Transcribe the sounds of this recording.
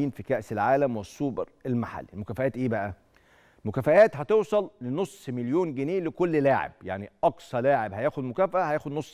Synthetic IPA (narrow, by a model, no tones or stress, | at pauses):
iːnfikæʔselʕaːlæmwesˤːuːbɑɾelmaħa̰lːilmokæfæʔæːt̪ʔeːbæʔæ | mokæfæʔæːt̪hɑt̪ewsˤɑlenosˤːmeljoːnɡeneːʔlekolːlaːʕḛb̥̚ja̰ʕniʔɑksˤɑlaːʕebhæjæːxod̪mokæːfæʔæhæjæːxod̪nosˤː